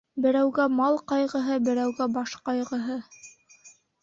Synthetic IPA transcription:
bɘ̆ɾæwɡæmɑlˠqɑjʁɤ̆ɦɤbɘ̆ɾæwɡæbɑʃqɑjʁɤ̆ɦɤ

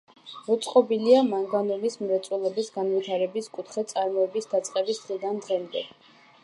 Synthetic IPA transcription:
mɔt̪sʼqʼɔbiliamaŋɡanɔnismɾɛt̪sʼulɛbisɡanvit̪ʰaɾɛbiskʼut̪ʰχɛt̪sʼaɾmɔɛbisd̪at̪sʼqʼɛbisd̪ʁid̪and̪ʁɛmd̪ɛ̰

